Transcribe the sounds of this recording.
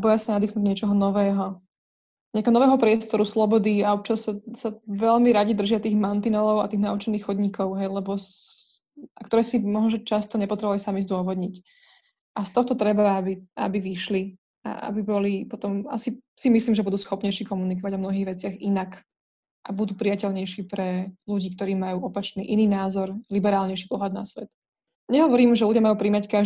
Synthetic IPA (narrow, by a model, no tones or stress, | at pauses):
bɔjasanad̪iːxnuːɟɲɪɛt͡ʃɔɦɔnɔʋɛːɦɔ | ɲɛakɛɦɔnɔʋɛːɦɔpɾɪɛst̪ɔɾuslɔbɔd̪iaɔp̚t͡ʃasːasaʋɛʎmiɾaɟid̪r̩ʒɪat̪iːɣmant̪inɛlɔʊa̰t̪iːɣnaut͡ʃɛniːxxɔd̪ɲikʰɔʊɦɛjlɛbɔs | akt̪ɔɾɛːsimɔɦnɔʒɛt͡ʃast̪ɔɲɛpɔt̪ɾɛbuʋalisamizd̪ʊɔʋɔd̪ɲic | ʔast̪ɔxɔt̪ɔt̪ɾɛbaabia̰biʋiʃli | a̰a̰bibɔlipɔt̪ɔma̰sisimisliːmʒɛbud̪uːsxɔpɲɛjʃiːkɔmunik̬ɔʋaɟɔmnɔɦiːɣʋɛt͡sɪaɣinak | ʔabud̪uːpɾijacɛʎɲɛjʃiːpɾɛluɟiːkt̪ɔɾiːmajuːɔpat͡ʃnḭːʔiniːnaːzɔɾlibɛɾaːlɲɛjʃi̥pɔɦlad̪̚na̰sʋɛt̪ | ɲɛɦɔʋɔɾiːmʒɛluɟjamajuːpɾimacka